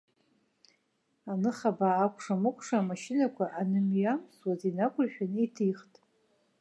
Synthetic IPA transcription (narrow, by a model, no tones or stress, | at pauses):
anɨχabaːkʷʰʼʂamɨkʷʰʼʂamaʃɪnakʷaʔanɨmjamswazinakʷʼʊrħᶣanejtʰiχtʼ